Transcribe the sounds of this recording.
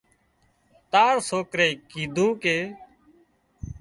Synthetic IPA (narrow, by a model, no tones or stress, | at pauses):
t̪aːɾsoːkɾeːkiːd̪ʱũːkeː